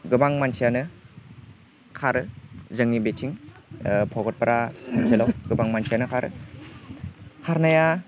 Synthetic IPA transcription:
ɡɯbaŋmansʰijanɯ | kʰaɾɯzɯŋːibetʰiŋ | pʰɔɡɔt̚paɾʔamanselawɡɯbaŋmansʰijanɯkʰaɾɯ̰ | kʰaɾnaja

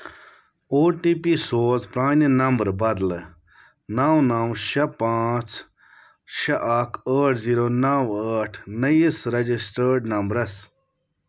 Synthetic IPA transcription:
oːʈiːpisoːzpɾaːninɐmbɾbɐd̪l | nawnawʃɐpaːt͡s | ʃɐʔakʰəːʈʰziːɾonawaəːʈʰnɐjisɾɐd͡ʒisʈəːɖnɐmbɾɐs

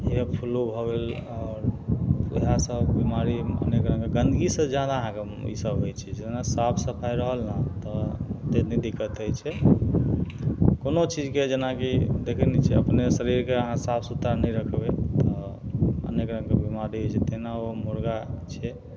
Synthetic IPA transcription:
iəpʰulubʱɔbelɔɾiɦasəbimaɾiə̰nekɾə̃ŋɡeɡənd̪ʱɡisə̃d͡ʒjad̪aəɦãke | ḭsəbɦojt͡ʃʰɛd͡ʒenasapʰsəpʰajɾəɦəlnat̪ɔt̪enɛd̪ikːət̪əjt͡ʃʰɛ | konot͡ʃid͡ʒked͡ʒenakid̪ekʰənɛt͡ʃʰɛəpnesəɾiɾkeəɦãsapʰsut̪ɾanəjɾəkʰbet̪ɔ | ə̰nekɾə̃ŋkebimaɾiɦojt͡ʃʰɛt̪enaomuɾɡat͡ʃʰɛ

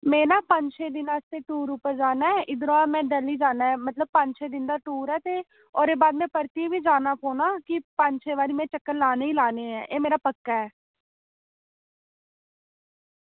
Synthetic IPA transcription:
mẽːnaːpəɲʃeːd̪ɪnaːst̪eːʈuːɾuːpəɾd͡ʒaːnaːɛːʔɪd̪ɾoamɛ̃ːɖəliːd͡ʒaːnaːɛːmət̪ləb̚pəɲt͡ʃeːd̪ɪnd̪aːʈuːɾɛːt̪eː | ɔːɾeːbaːd̪mɛ̃ːpəɾt̪ibʱiːd͡ʒaːnaːkoːnaːkɪpəɲt͡ʃeːʋaːɾiːmɛ̃ːt͡ʃəkːəɾlaːneːiːlaːneːɛ̰̃ːʔeːmeːɾaːpəkːaːɛː

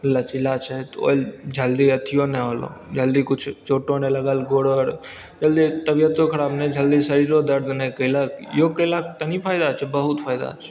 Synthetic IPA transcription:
lːat͡ʃilat͡ʃʰɛt̪o̰ːld͡ʒəld̪iət̪ʰijonɛɦoːlo̰d͡ʒəld̪ikʊt͡ʃʰt͡ʃoːʈoneləɡəlɡoːɽəɾ | d͡ʒəld̪it̪əbijət̪okʰəɾaːbnɛd͡ʒʱəld̪isəɾiɾod̪əɾd̪nɛkəlakjokəlakt̪ənipʰaːɪd̪at͡ʃʰɛbəɦʊt̪pʰaːɪd̪a̰t͡ʃʰ

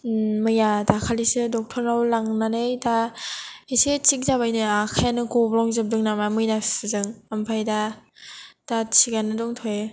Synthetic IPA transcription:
mɯjadakʰalisɯdɔk̚tʰɔɾnawlaŋnanɯjda | eset͡ʃik̚zabajnɯakʰajanɯkɔblɔŋzɯp̚dɯŋnamamɯjnasɯzɯŋampʰajda | d̥at͡ʃʰiɡanːɯdɔŋtʰɔje

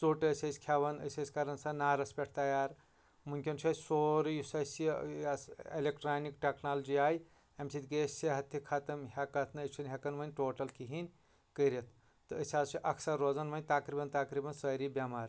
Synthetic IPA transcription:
soːʈəsʲɐsʲkʰaʋɐnɐ̰sʲɐsʲkɐɾɐnsɐnaːɾɐspʲeʈʰt̪ɐjaːɾ | muŋkʲont͡ʃʰɐsoːɾjusɐsi | elekʈɾaːnikʈeknaːld͡ʒiaːj | emsit̪ɡesseɦɐt̪ʰːikʰat̪ɐmɦʲekɐt̪ʰnɐt͡ʃʰɐnʲɦʲekɐnʋɐnʲʈoːʈɐlkiɦinʲ | kəɾɐt̪ʰ | t̪ɨəsʲaːzt͡ʃʰiʔɐkʰsɐɾːod͡zɐnʋɐnʲt̪ɐkɾibɐnt̪ɐkɾibɐnsɐːɾibʲɐmaɾ

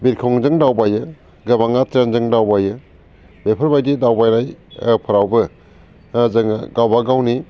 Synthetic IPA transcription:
biɾkʰɔŋzɯŋdawbajɯ | ɡɯbaŋatɾenzɯŋdawbajɯ | bepʰəɾbajdidawbajɾajpʰɯɾawbɯ | zɯŋɡawbaɡawni

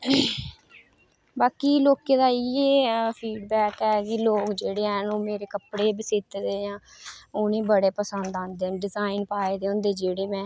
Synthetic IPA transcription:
baːkiːloːkeːd̪aːieːpʰiːɖbɛːkɛːkiloːkd͡ʒeːɽeːɛːnũːmeːɾeːkəpɽeːbəsɪt̪ːd̪eːjãːʊnĩːbəɽeːpəsənd̪ãːnd̪eːɖɪzaːinpaːed̪eːõːnd̪eːd͡ʒeːɽeːmɛ̃ː

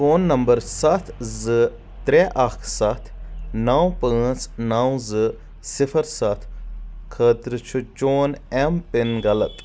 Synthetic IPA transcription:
foːnːɐmbɐɾsɐt̪ʰzɨ | t̪ɾeʔakʰsɐt̪ʰnaːwpə̃ːt͡snawzɨ | sifʰɐɾsɐt̪ʰkʰəːt̪ɾɨt͡ʃʰut͡ʃoːnempinɡɐlɐt̪

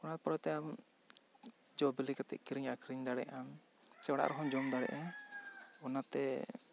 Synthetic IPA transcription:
ɔnat̪ɛpɾɔɛt̪ɛab | d͡ʒɔbilikat̪ɛ̰ʔ̪̚kiɾiɲakɾiɲd̪aɽɛ̰ʔan | sɛwɽa̰ʔɾɔɦɔmd͡ʒɔmd̪aɽɛ̰ʔɛ | ɔnat̪ɛ

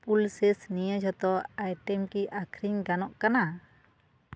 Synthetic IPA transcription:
pulsɛsnijəd͡ʒɔt̪ɔajʈɛmkiʔakʰɾiŋɡanɔʔkana

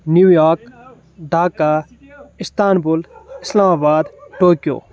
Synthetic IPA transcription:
njuːjaːɾk | ɖaːka | ɪst̪aːnbulɪslaːmaːbaːd̪ʈoːkijo̰ː

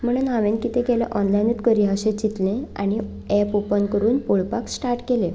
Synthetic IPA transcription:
m̤əɽ̃unɦaʋenkit̪ẽkelḛ̃ʔɔnlajnet̪kəɾiɦəɕet͡ɕit̪lẽa̰ɽ̃i | ɛpopənkəɾuːnpoɭpaksʈaɾʈkelẽ

